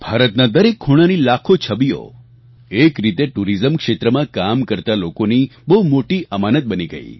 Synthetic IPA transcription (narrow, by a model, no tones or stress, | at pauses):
b̥ʱaɾət̪nad̪əɾekʰːuɽ̃anilakʰot͡ʃʰəbijo̰ | ekɾit̪eʈuɾizəmkʂet̪ɾəmãkamkəɾt̪alokonibəɦumoʈiʔəmanət̪̚bəniɡə̰ḭ